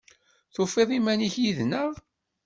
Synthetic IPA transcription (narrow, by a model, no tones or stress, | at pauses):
θofeðˤimæniçjiðnəvˤ